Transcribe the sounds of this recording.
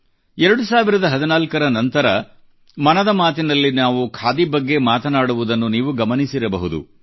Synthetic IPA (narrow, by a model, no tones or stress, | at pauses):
ɛɾɐɽusaːʋiɾɐd̪ɐɦɐd̪inaːlkɐɾɐnɐnt̪ɐɾɐ | mɐnɐd̪ɐmaːt̪inɐlːinaːʋukʰaːd̪ibɐɡːe̞maːt̪ɐnaːɽuʋud̪ɐnːuniːʋuɡɐmɐnisiɾɐbɐɦud̪ṵ